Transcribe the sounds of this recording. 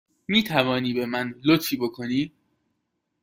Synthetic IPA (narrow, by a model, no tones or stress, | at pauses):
miːt̪ʰævɒːniːbe̞mænlot̪fiːbo̞kʰo̞niː